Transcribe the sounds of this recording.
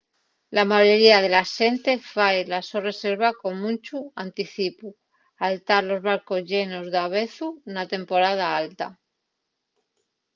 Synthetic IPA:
lamaʝo̞ɾiað̞e̞laʃe̞nt̪e̞faelasore̞se̞ɾβako̞ŋmũnt͡ʃuant̪iθipu | alt̪aɾlo̞zβaɾko̞zʝe̞nozðaβ̞e̞θunat̪e̞mpo̞ɾað̞aalt̪a

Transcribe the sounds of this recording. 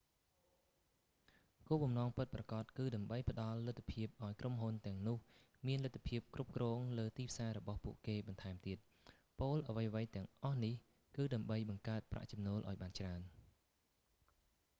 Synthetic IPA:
koːɓɑmnɑːŋpɨt̪̚prɑkɑt̪̚kɨːɗaəmɓəjpə̆ɗɑlːɨt̪ʰːapʰiəp̚ʔaɔjkromɦunt̪ɛ̆əŋnʊ̆əh | miənlɨt̪ʰːḁpʰiəp̚krup̚krɔːŋləːt̪iːpʰsaːɾɔɓɑhpuəʔkeːɓɑnt̪ʰaɛmt̪iət̪̚ | poːlʔaʋəjɑʋəjt̪ɛ̆əŋʔɑhnih | kɨːɗaəmɓəjɓɑŋkaət̪̚pra̰ʔt͡ɕɑmnoːlʔa̰ɔjɓaːnt͡ɕraən

